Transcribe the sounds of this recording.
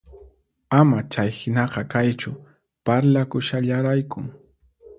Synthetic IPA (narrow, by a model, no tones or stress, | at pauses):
amat͡ʃajhɪnɑqɑkajt͡ʃʊ | paɾlakʊʃaʎaɾajkʊŋ